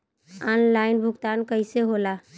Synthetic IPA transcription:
anlainbʱuɡt̪ankəɪseɦola

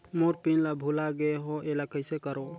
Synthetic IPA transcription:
moɾpinlabʱulaɡeɦɔʔelakəjsekəɾo

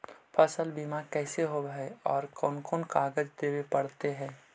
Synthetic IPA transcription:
pʰəsəlbimakɛːseɦobɛɔːɾkɔːnkoːnkaːɡəd͡ʒd̪eːwepəɽt̪eɦɛ̃ː

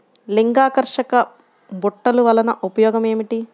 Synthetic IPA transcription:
liŋɡaːkɐɾʂɐkɐ | buʈːɐluʋɐlɐnɐʔupɐjɔːɡɐme̞ːmiʈi

